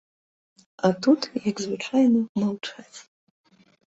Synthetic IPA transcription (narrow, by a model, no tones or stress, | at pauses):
atʰutʰjakzvɨʈ͡ʂʷʰajnɨmalʈ͡ʂʰat